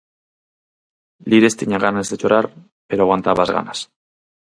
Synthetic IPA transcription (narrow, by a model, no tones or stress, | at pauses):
liɾest̪iɲaɣanaezd̪et͡ʃoɾaɾ | peɾoaɣwant̪aβazɣa̰nas